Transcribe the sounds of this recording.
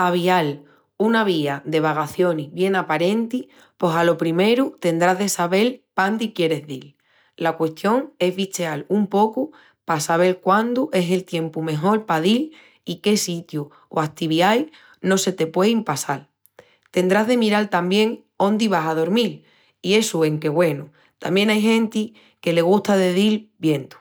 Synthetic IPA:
aβ̞ial | unaβiaðe̞β̞aɣaθjo̞niβje̞napaɾe̞nt̪i | po̞salo̞pɾime̞ɾut̪e̞nd̪ɾaɦðe̞saβe̞lpand̪ikje̞ɾe̞zðil | lakwe̞st̪jo̞ŋe̞zβit͡ʃealumpo̞ku | pasaβe̞lkwand̪uʔe̞se̞lt̪je̞mpumẽ̞ɦo̞lpaðil | ike̞sit̪ju | o̰akt̪iβiaj | no̞se̞t̪e̞pwe̞impasal | t̪e̞nd̪ɾaɦðe̞miɾalt̪ambje̞ŋ | o̞nd̪iβ̞asaðo̞ɾmil | ie̞sue̞ŋke̞ɣwe̞nu | t̪a̰mbje̞ŋajɦẽ̞nt̪i | ke̞le̞ɣ̞uht̪aðe̞ðilbje̞nt̪u̥

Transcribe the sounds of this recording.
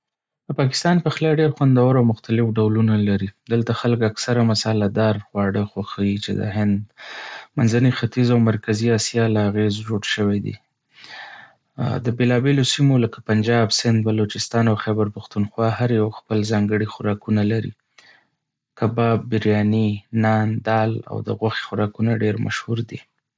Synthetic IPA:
d̪əpɑkɪ̥st̪ɑnpəxlɑɖeɾxwand̪awaɾawmʊxt̪alɪfɖawlunalaɾid̪əlt̪axalkaksaɾamasɑlad̪ɑɾxwɑɽəxwaxawit͡ʃḛd̪ə̰ɦɪnd̪manzanixat̪izawmaɾkaziɑsjɑlaaɣezd͡ʒoɽʃəwed̪ḭ | d̪əbelɑbelosimolakḁpand͡ʒɑbsɪnd̪̚balot͡ʃɪst̪ɑnawxɛbaɾpʊxt̪unxwɑhaɾjawxpəlzɑŋɡəɽixʊɾɑkunalaɾḭ | kabɑbːɪɾjɑninɑnd̪ɑla̰wd̪ə̰ɣwaxe̥xʊɾɑkunaɖeɾmʔa̰ʃhuɾd̪i

